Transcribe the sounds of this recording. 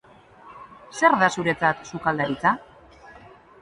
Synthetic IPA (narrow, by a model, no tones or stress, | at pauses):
se̞ɾðasuɾe̞t͡sat̪sukald̪aɾit͡sa